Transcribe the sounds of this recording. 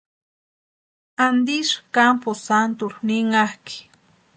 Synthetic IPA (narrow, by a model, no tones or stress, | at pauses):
and̪iʃkamposant̪uɾnɪŋahki̥